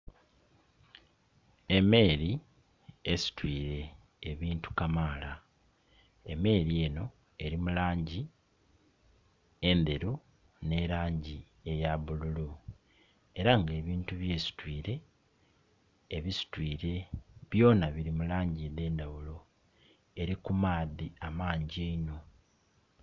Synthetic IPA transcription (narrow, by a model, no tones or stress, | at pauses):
e̞me̞ːɾi | esi̥twiːɾe̞ː | βiːntu̥kamaːla | eme̞ɾie̞ːno̞ | e̞ɾimulaːɲɟi | end̪e̞ɾu | ne̞ɾaːɲɟi | ejaβululu | e̞ɾaŋɡe̞ːβiːntuβje̞ːsi̥twiːɾe̞ | βisi̥twiːɾe̞βjo̞ːnaβiɾimulaːɲɟiðe̞ːndaβulo̞ | e̞ɾikumaːðiamaːɲɟieno